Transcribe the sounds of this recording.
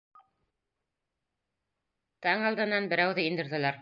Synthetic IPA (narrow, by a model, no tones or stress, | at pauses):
t̪ɑɴɑlˠd̪ɤ̆nːɑnbɘ̆ɾæwðɘind̪ɘ̆ɾðɘ̆læɾ